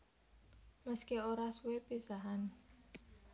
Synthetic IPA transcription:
məskioɾasuwepisaɦan

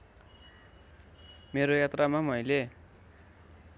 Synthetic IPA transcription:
meɾojat̪ramamʌjle

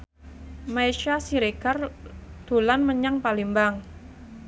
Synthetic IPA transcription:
maiʃasiɾekard̪̥o̤lanməɲaŋpalimbaŋ

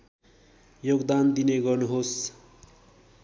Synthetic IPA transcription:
joɡd̪and̪ineɡʌrnuɦos

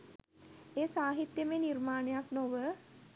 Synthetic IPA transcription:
eːsaːɦit̪jəmeːniɾmaːɳejaknoʋə

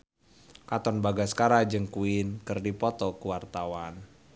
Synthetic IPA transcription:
kat̪ɔnbaɡaskaɾad͡ʒɨŋkuɪnkɨrdipɔt̪ɔkuwart̪awan

